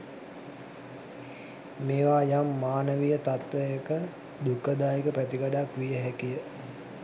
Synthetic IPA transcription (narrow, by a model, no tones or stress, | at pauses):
meːʋaːjamːaːnəʋijət̪at̪ʋəjəkə | d̪ukəd̪aːjikəpæt̪iɡaɖakʋijəɦɛkijə